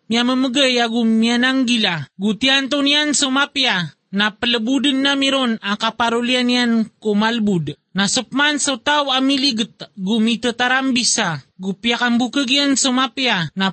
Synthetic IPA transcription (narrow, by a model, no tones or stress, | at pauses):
miaməməɡəjaɡumianaŋɡilaɡut̪iant̪oniansomapia | napələbudənːamiɾonakapaɾulianiankomalbud | nasəpmansot̪awamiliɡət̪̚ɡumit̪ət̪aɾambisaɡupiakambukəɡiansomapiana